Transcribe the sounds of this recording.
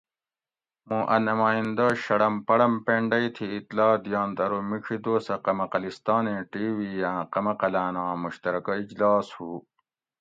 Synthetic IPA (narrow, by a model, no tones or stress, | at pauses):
mũːʔɐ̰nɐmaːjĩnd̪ɐɕɐɽɐmpɐɽɐmpeɳɖɐit̪ʰiːt̪lɑːd̪ijɑ̃ːnd̪ɐɾomikʰid̪oːsɐqɐmɐqɐlist̪ɑːnẽːʈiːʋijãːqɐmɐqɐlaːnãːmuɕt̪ɐɾɐkɐid͡ʑlɑːshuː